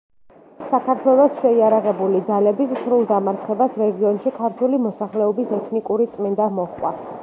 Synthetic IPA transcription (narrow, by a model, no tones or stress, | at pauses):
sakʰaɾt̪ʰwɛlˠɔsʃɛiaɾaʁɛbulid̪zalɛbissɾulˠd̪amaɾt̪ʰχɛbasɾɛɡiɔnʃikʰaɾt̪ʰwulimɔsaχlɛɔbisɛt̪ʰnikʼuɾit̪sʼmind̪amɔχkʼwa̰